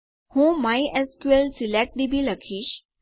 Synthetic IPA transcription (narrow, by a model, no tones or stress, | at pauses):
hõmajʔeskuelsilak̚dibʱiːlakʰiːɕ